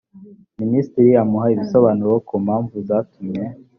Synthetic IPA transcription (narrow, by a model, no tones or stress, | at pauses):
ministiɾiamuɦaiβisoβaːnuɾokʰumhaːɱvuzaːtumɲe̞